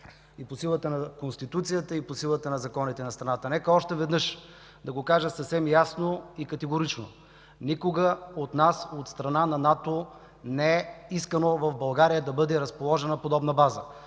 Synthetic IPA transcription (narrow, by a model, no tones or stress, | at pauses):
iposilˠət̪ənɐkonst̪it̪ut̪sijət̪əiposilˠət̪ənɐzɐkɔnit̪ɛnɐst̪ɾɐnat̪ənɛkəɔʃt̪ɛvɛd̪nɤʃ | d̪ɐɡokaʒəsɐfsɛmjasnoikɐt̪ɛɡoɾit͡ʃno | nikoɡəot̪nasot̪st̪ɾɐnanɐnat̪o | nɛɛiskənovɐvbɐlˠɡaɾijəd̪ɐbɤd̪ɛɾɐspolˠɔʒɛnɐpod̪ɔbnɐbazə